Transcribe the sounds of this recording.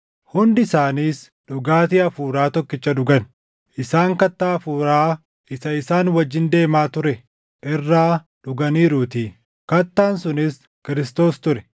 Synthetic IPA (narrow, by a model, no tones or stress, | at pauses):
hʊnd̪ɪsaːniːs | ᶑʊɡaːt̪ɪɐfuːɾaːt̪ɔkːɪt͡ʃːɐᶑʊɡɐn | ʔɪsaːŋkɐt̪ːaːfuːɾaː | ʔɪsɐɪsaːnwɐd͡ʒːɪnd̪e̞ːmaːt̪ʊɾɛ | ʔɪrːaː | ᶑʊɡɐniːɾuːt̪iː | kɐt̪ːaːnsʊnɪs | kɪɾɪst̪o̞ːst̪ʊɾɛ